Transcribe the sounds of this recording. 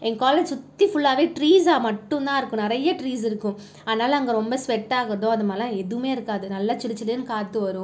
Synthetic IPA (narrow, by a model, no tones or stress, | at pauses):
ɛŋkaːled͡ʒsʊt̪ːifʊɭːaːʋeːʈɾiːsaːmɐʈːʊ̃nt̪ãːɪɾɯkːʊ̃nɪɾɐjːɐʈɾiːsɪɾɯkːʊ̃ | aːðɐnaːlɐɐŋɡɐɾɔmbɐsʋɛʈːaːɣɐɾɐðõːɐðɯmaːlãɛðɯmeːɪɾɯkːaːðɯnɐlːaːt͡ʃɪɽɪt͡ʃːɐlɯnɯkaːt̪ːɯʋɐɾʊ̃